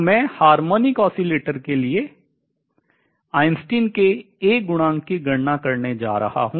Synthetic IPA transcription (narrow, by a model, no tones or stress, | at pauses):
mɛ̃ːhaːɾmoːnikɔːsileːʈəɾkelie | aːɪnsʈiːnkeː | ɡʊɽ̃ãːŋkiɡɐɽnakɐɾned͡ʒa̰ːɾɐ̰ha̰ɦũː